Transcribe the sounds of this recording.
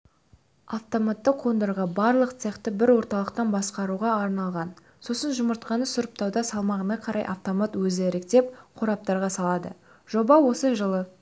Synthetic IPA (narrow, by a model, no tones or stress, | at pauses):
aft̪o̞mat̪ːəqʰːo̞nd̪eɾʁɑbɑɾlˠəqt̪seqt̪ɪbɪɾwo̞ɾt̪ɑlˠəqt̪ɑnbɑsqɑɾuʁɑːɾnɑlˠʁɑn | so̞sənʒʊməɾt̪̚qɑnəsʊɾəp̚t̪ɑwd̪ɑsɑlˠmɑʁənɑqʰɑɾʔɑjʔa̰ft̪o̞mat̪wɵzeɾek̚t̪e̞p̚qʰoɾɑp̚t̪ɑɾʁɑsɑlˠɑd̪ə̰ | ʒ̥o̞bɑwo̞səʒəlˠə